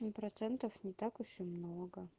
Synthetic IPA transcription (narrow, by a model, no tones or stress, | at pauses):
ɪmʲpɾɐt̪sɛnt̪əfnʲɪt̪akʊɕɪmnoɡə